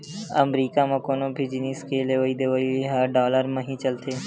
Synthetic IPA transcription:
ɐ̰mɾiːkamẽkoːnõbʱid͡ʒɪniːskeleʋəid̪eʋəiɦaɖɔːləɾmẽɦĩt͡ʃɐlt̪eː

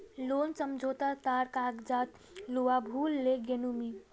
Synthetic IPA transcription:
lonsəmd͡ʒʱot̪at̪aɾkaɡd͡ʒat̪ | luwabʱulːeɡenumi

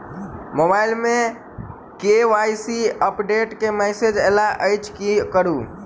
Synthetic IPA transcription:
mobailmẽ | keʋajsiəpɖeʈkemɛsed͡ʒelaʔəjt͡ʃkikəɾu

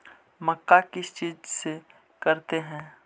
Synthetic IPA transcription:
mɐkːakɪst͡ʃiːzse | kɐɾt̪eɦɛ̃ː

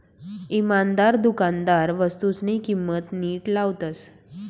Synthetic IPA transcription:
imand̪aɾd̪ukand̪aɾʋəst̪ut͡snikimːət̪niːʈlaʋt̪ət͡s

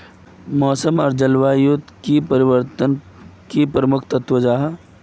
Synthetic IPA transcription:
mɔːsəmɔːɾd͡ʒɐlwaːjut̪kipəɾɪʋəɾt̪ən | kipɾəmʊkʰt̪ɐt̪wəd͡ʒaːɦ

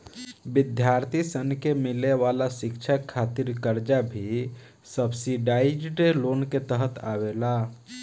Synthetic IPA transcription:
bɪd̪ʱjaɾt̪ʰisənkemɪleʋalasɪkt͡ʃʰakʰat̪ɪɾkəɾd͡ʒabʱi | səbsiɖaɪid͡ʒɖloːnket̪əɦət̪ʰa̰wela

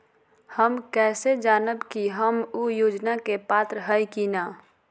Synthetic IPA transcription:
həmkɛːsed͡ʒaːnəbkiɦəmujoːd͡ʒnakepaːt̪ɾəɦəjkinaː

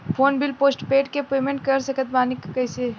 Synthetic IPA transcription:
pʰoːnbilpoːsʈpeːʈkepeːmẽɳʈ̚kəɾsəkət̪̚baːnikkəɪse

